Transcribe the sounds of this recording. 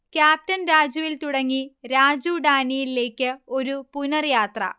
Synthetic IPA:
kʲaːp̚tɐnɾaːd͡ʑuʋilt̪uɽɐŋːiɾaːd͡ʑuːɖaːnijilːe̞ːkʲːɨo̞ɾupunɐrjaːt̪rɐ̰

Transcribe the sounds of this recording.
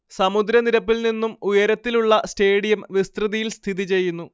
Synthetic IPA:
sɐmud̪ɾɐniɾɐpːilninːumujɐɾɐt̪ːiluɭːɐste̞ːɽijɐmʋist̪riðijilst̪ʰiðit͡ɕe̞jːunːu

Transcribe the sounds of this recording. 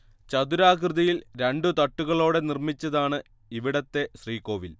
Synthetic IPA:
t͡ɕɐd̪uɾaːkrɨðɐjilɾeɳɖut̪ɐʈːuɣɐɭo̞ːɽe̞nirmit͡ɕːɐðaːɳɨ | iʋiɽɐt̪ːe̞ɕriːko̞ːʋil

